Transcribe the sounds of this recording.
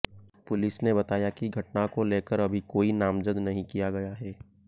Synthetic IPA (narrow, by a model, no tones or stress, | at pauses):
pʊlɪsnebɐt̪aːjakiɡʱɐʈ̚nakoleːkəɾɐbʱikoːinaːmzəd̪nɐɦĩkijaɡɐjaɦɛː